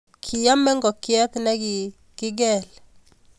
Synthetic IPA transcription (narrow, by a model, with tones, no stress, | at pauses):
kʰɪ˨ja˦mɛ˦ŋɡɔ˨kɪ˦ɛ˦t̪nɛ˦ɡɪ˨ | kɪ˦ɡɛ˦˨l